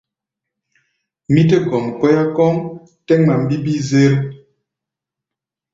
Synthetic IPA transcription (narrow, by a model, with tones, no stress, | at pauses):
mi˦te˦ɡɔ˨ŋ˨kɔ˦ja˦kɔ˦ŋ | tɛ˦ŋma˨m˦bi˦bi˦ze˦ɾ